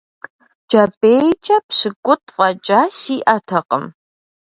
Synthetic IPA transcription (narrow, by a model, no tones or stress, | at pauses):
d͡ʒɐbejt͡ʃʼɐpɕɪkʷʼʊtʰʼfʼɐt͡ʃʼasiːʔɐtʰɐqəm